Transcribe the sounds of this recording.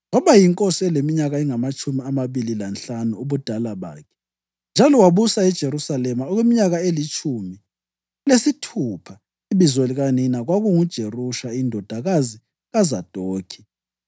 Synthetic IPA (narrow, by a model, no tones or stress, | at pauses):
ŋɔβajiŋkʼosiɛlemiɲaɣaiŋamat͡ʃʼumiamaβililanɬanuuβud̥ʱalaβa̰ːkʰɛ̥ | nd͡ʒʱalɔwaβusaɛd̥ʒ̥ʱeɾusalɛmaɔɣwemiɲaɣaelit͡ʃʰʼuːmi | lesitʰupʰa | iβizweliɣaninaɣwaɣuŋud̥ʒ̥ʱeruʃaindʱɔd̥ʱaɣazi | ɣazad̥ʼʱoːkʰi̥